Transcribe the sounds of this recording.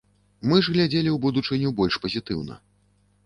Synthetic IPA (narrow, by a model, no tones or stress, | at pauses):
mɨʐɣlʲad͡zʲelʲiwbud̪ut͡ʂɨnʲubɔlʲʂpɐzʲit̪ɨwnɐ̰